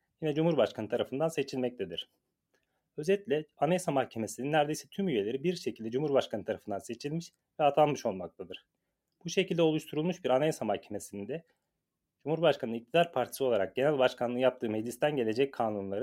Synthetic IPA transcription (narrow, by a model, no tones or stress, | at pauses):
jinɛd͡ʒumhuɾbaʃkʰanɯt̪ʰaɾafɯnd̪anse̞t͡ʃʰilʲmɛc̚t̪ed̪iɾ̥ | ø̞zɛt̪lʲɛanesamahcʰe̞mesininːæɾd̪e̞jsɛt̪ʰymyje̞lʲe̞ɾibiɾʃecʰilʲd̪ɛd͡ʒumuɾbaʃkʰanɯt̪ʰaɾafɯnd̪anse̞t͡ʃʰilʲmiʃ | vɛat̪ʰalˠmɯʃo̞lˠmak̚t̪ʰad̪ɯɾ̥ | b̥uʃe̞cʰilʲd̪ɛo̞lˠuʃt̪ʰuɾulˠmuʃbiɾanesamahcʰe̞me̞sinind̪ɛ | d͡ʒumuɾbaʃkʰanɯnic̚t̪ʰid̪aɾpʰaɾt̪ʰi̥sɯoaɾak̚ɟe̞nælʲbaʃkʰanɯnjap̚t̪ʰɯːmed͡ʒist̪ʰænɟe̞lʲe̞d͡ʒɛc̚kʰaːnunlˠaɾɯ